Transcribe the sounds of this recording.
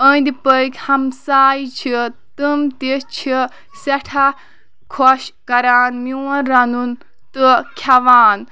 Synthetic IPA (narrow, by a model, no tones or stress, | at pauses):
ənd̪ipəjkʲhɐmsaːjt͡ʃʰit̪ɨmt̪it͡ʃʰi | sɐʈʰa | kʰɔʃkɐɾaːnmiwɐnɾɐnun | t̪ɨkʰɐʋaːn